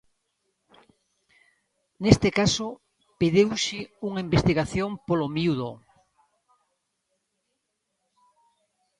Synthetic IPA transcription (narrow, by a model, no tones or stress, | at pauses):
nest̪ekaso | peðewʃɪuŋaimbest̪iɣaθjoŋpolomiuðo